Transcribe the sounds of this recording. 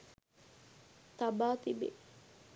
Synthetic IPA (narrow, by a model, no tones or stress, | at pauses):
t̪abaːt̪ibḛ